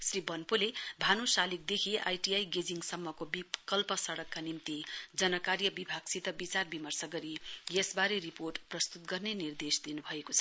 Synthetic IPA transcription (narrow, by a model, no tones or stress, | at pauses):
sribʌnpulebʱanosalik̚d̪ekʰiʔa̰jʈiajɡed͡ziŋɡsʌmːʌkobikʌlpʌsʌɽʌkːanimt̪id͡zʌnʌkaɾjʌbibʱaɡsid̪ʱʌbit͡sarbimʌrsʌɡʌɾijesbaɾeriporʈprʌst̪ut̪̚ɡʌrnenird̪esd̪inubʱʌekot͡sʰʌ